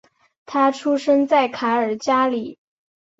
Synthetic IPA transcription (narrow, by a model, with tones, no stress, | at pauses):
t̪ʰa˥ʈ͡ʂʰu˥ʂə˥ŋt͡sa˥˩ɪkʰa˧˥ə˞˨˩t͡ɕja˥li˨˩˦